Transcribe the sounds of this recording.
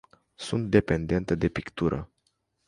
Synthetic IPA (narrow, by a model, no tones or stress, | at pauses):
sunt̪̚d̪e̞pe̞nd̪e̞nt̪əd̪e̞pikt̪uɾʔə̰